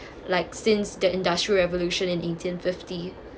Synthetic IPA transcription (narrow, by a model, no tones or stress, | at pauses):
laɪksɪ̃nsdəɪ̃ndastɹiəɹɛvəluʃə̃nɪ̃netʰĩnfɪfti